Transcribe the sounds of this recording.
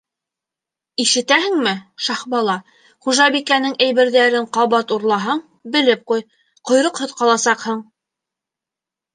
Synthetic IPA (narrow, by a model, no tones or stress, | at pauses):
iʃɘ̆t̪æɦɘ̆ŋmɘʃɑhbɑlˠɑ | χuʒɑbikænɘŋæjβɘ̆ɾðæɾɘɴqɑβɑt̪uɾlˠɑɦɑɴ | bɘ̆lɘp̚quj | qŏjɾɤqhŏðqɑlˠɑsɑqhɤɴ